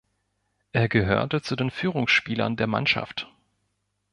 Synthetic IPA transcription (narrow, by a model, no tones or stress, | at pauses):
ʔeːɐɡəɦø̰ːɐtət͡sudeːnfyːʁ̞ʊŋsʃpiːlɐ̰ndeːɐma̰nʃa̰ft